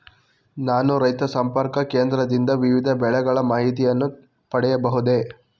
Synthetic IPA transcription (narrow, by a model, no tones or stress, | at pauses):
naːnuɾɐjt̪ɐsɐmpɐɾkɐkeːnd̪ɾɐd̪ind̪ɐʋiʋid̪ʱɐbɛɭɛɡɐɭɐmaːɦit̪̬ijɐnːu | pɐɽɛjɐbɐɦud̪e̞